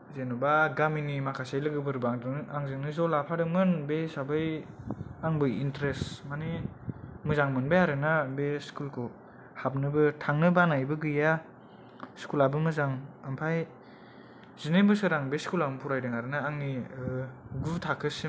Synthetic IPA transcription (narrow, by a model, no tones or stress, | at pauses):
zenubaɡaminimakʰasajlɯɡɯbɯɾbaŋdɯaŋzɯŋnɯzɔlapʰadɯmɯnbesabɯj | aŋbɯjintɾesmane | mɯzaŋmɯnbejaɾɯnabeskulkʰu | hap̚nɯbɯtʰaŋnɯbanajbɯɡɯja | skulabɯmɯzaŋampʰaj | zɯnebɯsɯɾaŋbeskulampʰuɾajdɯŋaɾɯnaːŋni | ɡutʰakʰɯs